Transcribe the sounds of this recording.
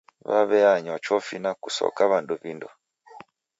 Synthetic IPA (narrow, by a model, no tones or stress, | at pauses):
βa̰βɛaɲwat͡ʃɔfinakusɔ̰kaβanduvindɔ